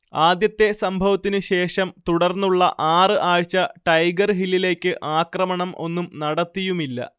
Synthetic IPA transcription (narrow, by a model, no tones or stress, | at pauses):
aːd̪jɐt̪ːe̞sɐmbʱɐʋɐt̪ːinɨɕe̞ːʂɐmt̪uɽɐrnːuɭːɐ̰ʔaːrɨʔaːɻt͡ɕːɐʈɐjɡɐrɦilːile̞ːkʲːɨʔaːkrɐmɐɳɐmʔo̞̰nːumnɐɽɐt̪ːijumilːɐ̰